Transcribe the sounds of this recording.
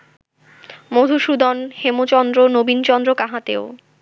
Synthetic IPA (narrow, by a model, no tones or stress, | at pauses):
mod̪ʱuʃud̪ʱɔnhemot͡ɕɔnd̪ɾonobint͡ɕɔnd̪ɾokaɦat̪ḛo